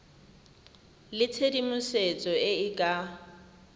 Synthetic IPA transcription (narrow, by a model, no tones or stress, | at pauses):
lɪt͡sʰedimʊset͡sʼɔɪɪkʼa